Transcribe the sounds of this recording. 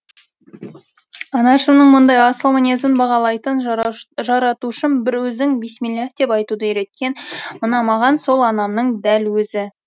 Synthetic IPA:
ɑnɑʃəmnəɴmʊnd̪ɑjɑsəlˠmonʲezənbɑʁɑlˠɑjt̪ənʒɑɾɑt̪uʊʃɪnbɪɾwɵzd̪ɪŋbe̞smʲilʲˠad̪e̞pɑjt̪ud̪əjeɾe̞t̪̚kʲe̞nmənɑmɑʁɑnso̞lˠɑnɑmnəɴd̪ælwɵzɪ

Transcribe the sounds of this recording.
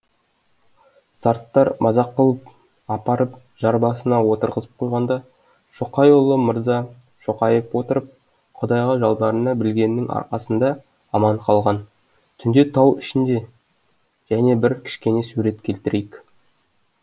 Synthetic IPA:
sɑɾt̪ːɑɾmʔɑzɑqːəlˠəp | ɑpɑɾəp | ʒɑɾbɑsənɑwo̞t̪əɾʁəzəp̚qʰojʁɑnd̪ɑ | ʃoqɑjolˠəməɾzɑ | ʃoqɑjəpwo̞t̪əɾəp̚ | qʰʊd̪ɑjʁɑʒɑlˠd̪ɑɾənɑbɪlɡʲe̞nːɪŋɑ̰ɾqɑsənd̪ɑ | ɑmɑɴqʰɑlˠʁɑn | t̪ʰʏnd̪e̞t̪ʰɑwɪʃɪnd̪e̞ | ʒ̥æne̞bɪɾkʲʰɪ̥ʃkʲe̞ne̞suɾe̞t̪kʲʰe̞lt̪ɪɾʔejk

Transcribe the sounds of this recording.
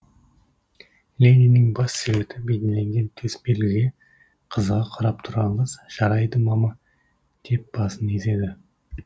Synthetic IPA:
lʲeninɪŋbɑsːeβe̞t̪ɪbed̪ele̞ŋɡʲe̞nt̪ʰe̞spelɪɡʲe | qʰəzʁɑqʰɑɾɑp̚t̪ʰʊɾɑlˠəzʒ̥ɑɾɑjd̪əmɑmɑ | d̪̥e̞p̚b̥ɑsəneze̞d̪ɪ

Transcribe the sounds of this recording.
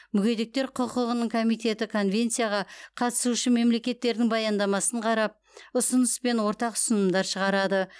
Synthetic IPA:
mʏɡʲe̞d̪ek̚t̪e̞ɾqʰʊqəʁənəɴkʰo̞mijt̪e̞t̪ɪkʰo̞nvʲe̞nt̪sijaʁɑqʰɑt̪ə̥suʃɪme̞mle̞kʲe̞t̪ːe̞ɾd̪ɪŋbɑjɑnd̪ɑmɑsəɴqʰɑɾɑp̚ | ʊsʊnəspe̞nwo̞ɾt̪ɑqʊ̥sənəmd̪ɑɾʃəʁɑɾɑd̪ə

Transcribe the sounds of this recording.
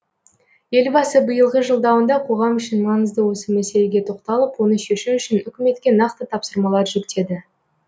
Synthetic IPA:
je̞lbɑsəbəjəlˠʁəʒəlˠd̪ɑwənd̪ɑqʰo̞ʁɑmʏʃɪnmɑnəzd̪əwo̞səmæse̞leɡʲe̞t̪ʰo̞qt̪ɑlˠəpwonəʃeʃuʏʃɪnʏkʲɪme̞t̪kʲe̞nɑqt̪ət̪ʰɑpsəɾmɑlˠɑɾʒʏkt̪e̞d̪ɪ

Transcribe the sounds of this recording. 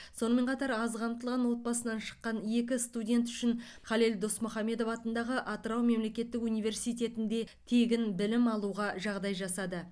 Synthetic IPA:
so̞nəme̞ɴqʰɑt̪ɑɾɑzʁɑmt̪əlˠʁɑnwo̞t̪̚bɑsənɑnʃə̥qːɑnje̞kʲɪst̪udʲe̞nt̪ʏ̥ʃɪnχɑleld̪o̞smʊχɑme̞d̪o̞fɑt̪ənd̪ɑʁəʔɑt̪əɾɑwme̞mle̞kʲe̞t̪ːɪkunijve̞ɾsijt̪ʲe̞t̪ɪnd̪e̞ | t̪ʰe̞ɡʲɪnbɪlɪmɑlˠuʁɑʒɑʁd̪ɑjʒɑsɑd̪ə

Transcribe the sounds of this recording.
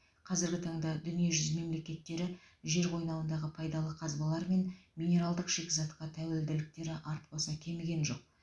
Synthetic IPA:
qʰɑzɪɾɡʲɪt̪ʰɑɴd̪ɑd̪ʏnijeʒʏzme̞mle̞kʲe̞t̪ːe̞ɾɪʒe̞ɾʁʰo̞jnɑwənd̪ɑʁəpʰɑjd̪ɑlˠəqʰɑzbɑlˠɑɾme̞nmʲijnʲe̞ɾalˠd̪əqʃe̞kʲɪzɑt̪qɑt̪ʰæwe̞ld̪ɪlɪk̚t̪e̞ɾɪʔɑɾt̪bɑsɑkʲʰe̞meɡʲe̞nʒo̞q̚

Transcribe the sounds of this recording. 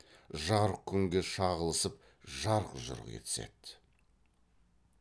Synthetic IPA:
ʒɑɾkʲʰʏŋɡʲe̞ʃɑʁəlˠəsəp̚ | ʒɑɾqʒʊ̰ɾ̰ʁkʲḛt̪ɪ̥sḛt̪

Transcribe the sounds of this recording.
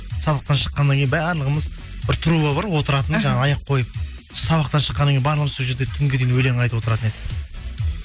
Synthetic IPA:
sɑβɑq̚t̪ɑnʃə̥qːɑnːɑŋkʰʲejɪnbæɾlˠəʁəməz | b̥ɪɾt̪ʰʊɾuʁɑbɑɾwo̞t̪əɾɑt̪ənʒɑɴɑɑjɑqʰo̞jəp̚ | sɑβɑqt̪ɑnʃə̥qːɑnɑŋʲkʰʲejnbɑɾlˠəʁəməzsolˠʒe̞ɾd̪et̪ʰʏŋɡʲed̪ejnwɵle̞ŋɑjt̪əpwo̞t̪əɾɑt̪əne̞d̪ɪ

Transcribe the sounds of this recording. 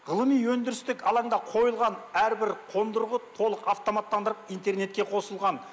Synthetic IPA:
ʁəlˠəmijwɵnd̪ɪɾɪst̪ɪkɑlˠɑɴd̪ɑqʰo̞jəlˠʁɑnæɾbɪɾqʰo̞nd̪əɾʁət̪ʰo̞lˠəqɑft̪o̞mat̪ːɑnd̪əɾəqijnt̪e̞rne̞t̪̚kʲe̞qʰo̞səlˠʁɑn

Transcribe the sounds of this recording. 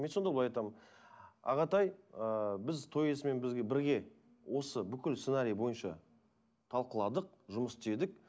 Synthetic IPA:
me̞t̪sod̪ɑblˠɑjɑjt̪ɑmənɑ̰ʁɑt̪ɑjəbɪzt̪ʰo̞je̞sɪme̞nbɪzɡʲe̞bɪɾɡʲe̞ | wʔo̞səbʏkʲɪlsenaɾijbo̞jənʃɑ̰ | t̪ʰɑlˠqəlˠɑd̪əq̚ | ʒʊməsd̪e̞d̪ɪk̚

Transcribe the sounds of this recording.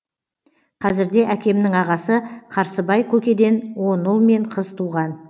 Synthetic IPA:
qʰɑzɪɾd̪e̞ʔækʲe̞mnɪŋɑʁɑsəqʰɑɾsəbɑjkʲʰɵkʲe̞d̪e̞nwo̞nːʊlˠme̞ɴqʰəzt̪ʰuʁɑn

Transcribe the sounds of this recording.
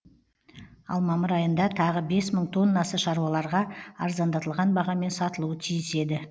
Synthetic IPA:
ɑ̰lˠmɑməɾɑjənd̪ɑt̪ʰɑʁəbe̞sməɴt̪ʰo̞nːɑsəʃɑɾuɑlˠɑɾʁɑɑɾzɑnd̪ɑt̪əlˠʁɑnbɑʁɑme̞nsɑt̪əlˠuwət̪ʰijɪse̞d̪ɪ

